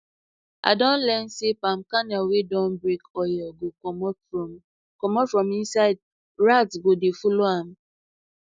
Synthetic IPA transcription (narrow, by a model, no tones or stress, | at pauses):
a̰dɔ̃n̩lɛn̩sepam̩kanaowedɔ̃n̩bɾekɔjɔɡo | kɔmɔfɾɔminsad̚ | ɾatsɡodefuloam̩